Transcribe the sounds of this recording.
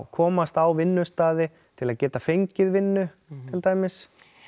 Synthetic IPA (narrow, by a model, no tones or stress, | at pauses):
kʰɔːmast̪awvɪnːʏst̪aːðɪ | t̪ʰɪlaðcɛːt̪afejɲcɪðvɪnːʏ | t̪ʰɪlt̪aːjmɪs